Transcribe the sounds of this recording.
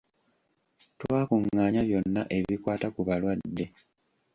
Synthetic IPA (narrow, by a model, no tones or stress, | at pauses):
twaːkuŋːaːɲaβjo̞nːa̰ʔe̞βikwaːtakuβalwadːe̞